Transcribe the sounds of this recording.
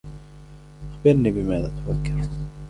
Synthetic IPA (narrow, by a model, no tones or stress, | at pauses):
xbɪɾniːbɪmaːðat̪awakːɪɾ